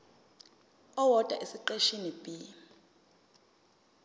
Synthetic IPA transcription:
ɔwɔd̥ʼʱa̰ʔesiǃeʃinib̥ʼi

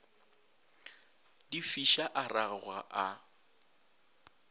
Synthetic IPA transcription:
d̥ifiʃaʔaraɣwaʔa

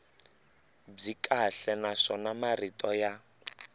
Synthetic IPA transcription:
b͡ʐikʼaɬɛnaʂɔnamaritʼɔja

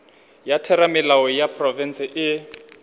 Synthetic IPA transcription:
jatʰɛɾamɪlaɔjapʰrɔvɛnsɪʔɪ

